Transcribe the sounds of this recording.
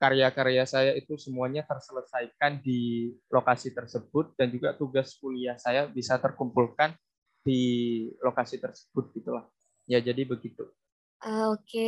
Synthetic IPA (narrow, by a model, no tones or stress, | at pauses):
kaɾeakaɾeasajait̪usəmuaɲat̪ərsələsajkandilokasit̪ərsəbʊt̪̚dand͡ʒuɡat̪uɡaskuliahsajabisat̪ərkumpulkan | dilokasit̪ərsə̥b̥ʊt̪̚ɡ̥it̪ulah | jad͡ʒadibəɡit̪u | ʔəoke